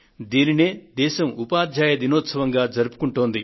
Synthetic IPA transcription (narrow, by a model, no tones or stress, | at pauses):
d̪iːnineːd̪ɛːʃɐmupaːd̪ʱjaːjɐd̪inoːt̪sɐʋɐŋɡaːd͡ʒɐɾupu̥kuɳʈoːnd̪i